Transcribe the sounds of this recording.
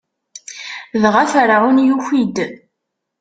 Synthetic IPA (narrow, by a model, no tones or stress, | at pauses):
ðʁaθɾaʁunjuçid̪